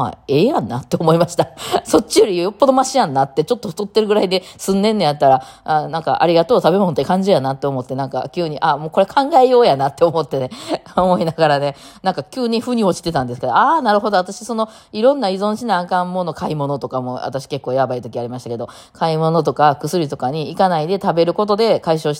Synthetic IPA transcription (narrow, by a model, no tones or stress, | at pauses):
a̰e̞ːjãnːat̪ːe̞omo̞imaɕi̥t̪aso̞t͡ɕːijo̞ɾʲijjo̞pːo̞d̪o̞maɕijãnːat̪ːe̞t͡ɕo̞t̪ːo̞ɯ̥t̪ot̪ːe̞ɾɯ̟ɡɯ̟ɾaid̪e̞sɨ̃nːẽ̞nːejat̪ːaɾa | anãŋka̰ʔa̰ɾʲiɡat̪o̞ːt̪abe̞mo̞not̪ːekãɲ̟d͡ʑijanat̪ːe̞o̞mo̞t̪ːe̞nãŋka̰kʲɨɯːɲ̟iʔamo̞ːko̞ɾekʰãŋɡaejo̞ːjanat̪ːe̞omo̞t̪ːe̞neomo̞inaɡaɾane̞ | nãŋkakʲɨːɲ̟iɸɯ̟ɲ̟io̞t͡ɕi̥t̪e̞t̪ãnd̪e̞sɨ̥keoaːnaɾɯ̟ɦo̞d̪o̞at̪aɕi̥so̞no | iɾõ̞nːaizõ̞ɕinaːkãmːo̞no̞kaimo̞no̞t̪o̞kamo̞̰a̰t̪aɕi̥ke̞kːo̞ːjabait̪o̞kʲiaɾimaɕit̪ake̞d̪o̞ | kʰaimo̞no̞t̪̬o̞kakɯ̟sɨɾʲit̪o̞kaɲ̟iːkanaid̪e̞t̪abe̞ɾɯ̟ko̞t̪o̞d̪e̞kaiɕo̞ːɕi̥